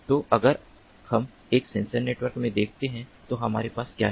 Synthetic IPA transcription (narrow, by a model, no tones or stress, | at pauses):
t̪oʔɐɡəɾ | hɐm | eːksẽːnsəɾneːʈʋəɾkmẽd̪eːkʰt̪eɦɛ̃t̪oɦɐmaːɾepaːskjaːɦɛ